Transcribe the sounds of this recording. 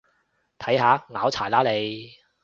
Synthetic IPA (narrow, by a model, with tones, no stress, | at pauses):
t̪ʰɐ˨˥jhaː˨˧ŋaː˨˥wt͡sʰaː˨˩jlaː˨˥le˨˧j